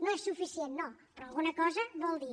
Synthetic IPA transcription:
nɐ̃w̃ɛʃsufisjẽnt̪nɐ̃w̃pɾɔalˠɣunɐkɔzɐvɔlˠd̪i

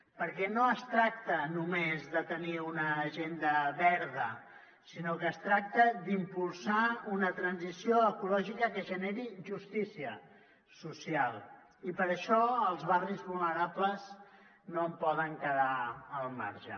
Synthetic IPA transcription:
pəɾkɛnoəst̪ɾak̚t̪ənumezðət̪əniunəːʒend̪əβɛɾðə | sinokəːst̪ɾak̚t̪əd̪impulˠsaunət̪ɾənzisioəkulɔʒikəkəʒəneɾiʒust̪isiə | susialˠ | ipəɾəʃɔəlˠzβarizβulˠnəɾapləz | noəmpɔðəŋkəðaəlˠma̰ɾʒə̰

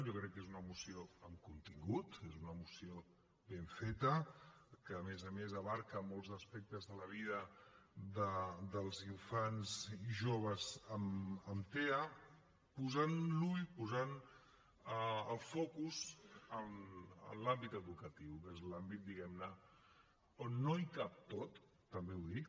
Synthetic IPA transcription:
ʒokɾɛkːezunəmusioəmkunt̪iŋɡut̪ezunəmusio | βeɱfet̪əkəːmezəmezəβaɾkəmolˠzəspɛk̚t̪əzðələβ̞iðəd̪əd̪əlˠziɱfanziʒoβ̞əzəməmt̪eə | puzanluʎpuzan | əəlˠfokuzəmə̰lambit̪əðukət̪iwkezlambit̪̚d̪iɣɛmnə | onːoajkap̚t̪ot̪ː | əmbewðik

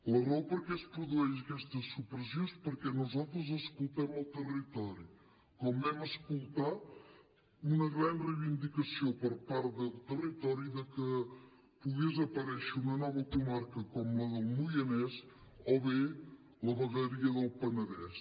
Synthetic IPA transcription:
lɐrawpoɾkɛspɾuðuɛʒɐkɛst̪ɐsupɾəsjõspəɾkɛnuzat̪ɾɐzɐskulˠt̪ɛmɐlˠt̪ərit̪ɔɾju | kɔmbɛmɐskulˠt̪a | unɐɣɾanrejβind̪ikɐsiopəɾpaɾt̪ðəlˠt̪ərit̪ɔɾjuðəkə | puɣezɐpɐɾɛʃunɐnɔβɐkumaɾkɐkɔmlɐðəlˠmujɐnɛs | ɔβe | lɐβɐɣɐɾiɐðəlˠpɐnɐðɛs

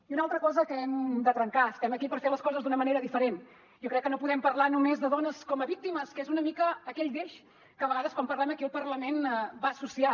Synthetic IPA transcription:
iunalˠt̪ɾəkɔzəkəɛmd̪ət̪ɾəŋkaəst̪ɛməkipəɾfeləskɔzəzd̪unəməneɾəðifəɾen | jokɾɛkːənopuðɛmpərlanumezðəðonəskɔməβik̚t̪iməskezunəmikəːkɛʎd̪eʃ | kəːβəɣaðəskwampəɾlɛməkiəlˠpərləmenbasusia

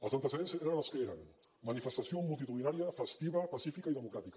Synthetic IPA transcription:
əsant̪eseðenseɾanaskeeɾaŋ | manifest̪asjomulˠt̪it̪uðinaɾjɐfest̪iβɐpasifikaiðemukɾat̪ika

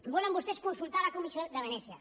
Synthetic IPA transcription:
bɔlembust̪eskunsult̪aɾakomisjod̪aβenɛsja

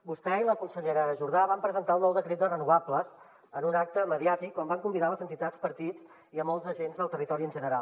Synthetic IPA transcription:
bust̪ɛiləkunsəʎeɾəəʒuɾðaβampɾəzənt̪aunːɔwðəkɾet̪̚d̪ərənuapləz | ənunak̚t̪əməðiat̪ikːɔmbaŋkumbiðaləzənt̪it̪at͡sspəɾt̪id͡z | iəmɔlˠzəʒenzðəlˠt̪ərit̪ɔɾiənʒənəɾalˠ

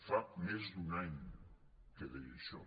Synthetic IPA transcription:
famezd̪unaɲ | keðeeʃɔ̰

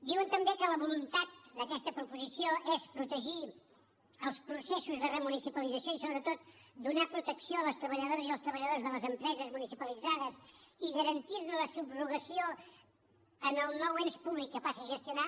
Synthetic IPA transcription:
d̪iwənt̪əmbekələβulunt̪at̪̚d̪əkɛst̪əpɾupuzisioʔespɾut̪əʒi | əlˠspɾusesuzðərəmunisipəlid͡zəsioisoβɾət̪ot̪d̪unapɾut̪əksioələst̪ɾəβəʎəðoɾəziəlˠst̪ɾəβəʎəðozðələzəmpɾɛzəzmunisipəlid͡zaðəsiɣəɾənt̪irnuləsubruɣəsio | ənəlˠnɔwenspuβlikːəpasəʒəst̪iuna

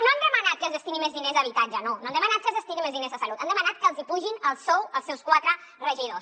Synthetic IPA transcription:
noand̪əmənat̪̚kəlzəst̪inimezðinezəβit̪ad͡ʒənonoand̪əmənat̪̚kəlzəst̪iɣimezðinezəsalut̪and̪əmənat̪̚kəlˠzipuʒinəlˠsɔwəlˠsːɛwskwat̪ɾə | rəʒiðos

